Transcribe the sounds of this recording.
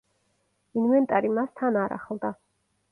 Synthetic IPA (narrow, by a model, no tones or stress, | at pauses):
invɛnt̪ʼaɾimast̪ʰanaɾa̰χlˠd̪a